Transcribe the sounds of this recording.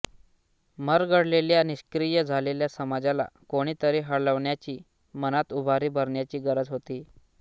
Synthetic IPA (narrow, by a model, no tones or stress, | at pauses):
məɾɡəɽleljaniɕkɾijəd͡zʱaleljasəmad͡zala̰koɽ̃iːt̪əɾiɦəɽləʋɳjat͡ɕiː | mənat̪ubʱaɾiːbʱəɾɳjat͡ɕiːɡəɾəd͡zɦot̪iː